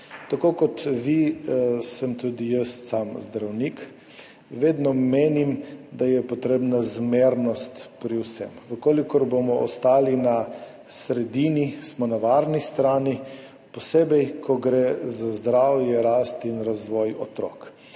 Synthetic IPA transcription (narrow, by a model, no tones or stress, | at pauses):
t̪akokɔt̪ʋi | səmt̪ud̪ijəst̪samzd̪ɾawnik | ʋeːd̪nɔmeːnimd̪ajɛpɔt̪ɾeːbnazmeːɾnɔst̪pɾiwsɛ̰mʋəkoːlikɔɾbomɔɔst̪aːlina | sɾɛd̪iːnismɔnaʋaɾnist̪ɾaːni | pɔsebɛjkʰɔɡɾezazd̪ɾawjɛɾaːst̪inɾazʋɔjɔ̰t̪ɾɔ̰k